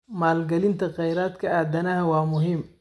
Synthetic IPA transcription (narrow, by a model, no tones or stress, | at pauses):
maːlɡɐlɪnt̪ʰɐqɛjɾaːd̪kʰɐaːd̪ɐnɐɦɐwɑːmʊɦɪm